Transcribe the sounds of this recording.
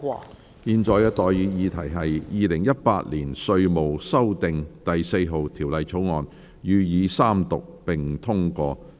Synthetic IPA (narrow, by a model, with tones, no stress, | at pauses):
jiː˧nt͡ʃɔː˨˧jkɛː˧t̪ɔː˨jjyː˨˧˥jiː˨˧t̪ʰɐ˨˩jɦɐ˨jjiː˨˧lɪ˨˩ŋjɐ˥t̚paː˧t̚liː˨˩nsɵ˧ɥmo˨wsɐ˥wt̪ɪ˨ŋt̪ɐ˨jse˧jɦo˨wt̪ʰiː˨˩wlɐ˨jt͡sʰo˨˥wŋɔː˨n | jyː˨˧jiː˨˧saː˥mt̪ʊ˨k̚pɪ˨ŋt̪ʰʊ˥ŋkɔː˧